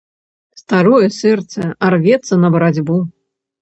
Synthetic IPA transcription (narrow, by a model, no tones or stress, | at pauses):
st̪aɾɔjɛsɛrt̪sɛarvʲɛt̪sɐnɐbɐɾad͡zʲbu